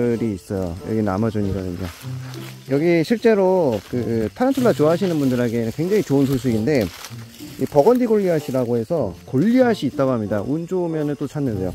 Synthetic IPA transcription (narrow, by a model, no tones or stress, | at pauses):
ɯɾiːs͈ʌjo̰jʌ̰ɡina̰mad͡ʑuɲiɡadɯɲo̰ | jʌɡiɕʰiɭt͡ɕ͈e̞ɾokɯtʰaɾant͡ɕʰoɭːat͡ɕoɦaɕ̬ʰinɯnbundɯɾeɡenɯnkwe̞ŋd͡ʑaŋit͡ɕoɯnsʰoɕ̬ʰiɡinde̞ | ipʌɡʌndiɡoʎːiɦaɕʰiɾaɡoɦe̞sʰʌkoʎːiɦaɕʰiːt͈aɡoɦamɲidaʔund͡ʑomjʌnɯnt͈ot͡ɕʰanːɯndejo